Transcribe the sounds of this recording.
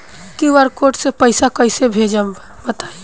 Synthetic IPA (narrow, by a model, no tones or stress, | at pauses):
kiʋəɾkoʈsepəsakəɪsebʱed͡ʒəm | bət̪ai